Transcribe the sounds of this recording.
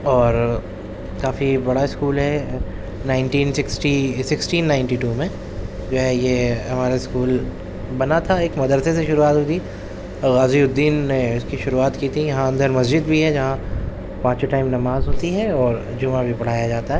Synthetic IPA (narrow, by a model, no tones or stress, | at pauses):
ɔːɾ | kaːfibɐɽaɪskuːlɦɛ | naːɪnʈiːnsɪksʈisɪksʈiːnːaːɪ̃ɳʈiːʈuːmẽ | d͡ʒoːɦɛ̃jeɦɐmaːɾeɪskuːl | bɐnat̪ʰaeːkmɐd̪əɾseseʃʊɾuaːt̪ɦot̪ʰi | ɣaːziʊd̪ːiːnːeʊskiʃʊɾuaːt̪kiːt̪ʰijɐɦãɐ̃nd̪ʱəɾmɐsd͡ʒɪd̪bʱiɦɛd͡ʒɐɦã | pãːt͡ʃeʈaːɪmnɐmaːzɦoːt̪iɦɛɔːɾ | d͡ʒʊmãbʱipɐɽ̤aːjad͡ʒaːt̪aɦɛː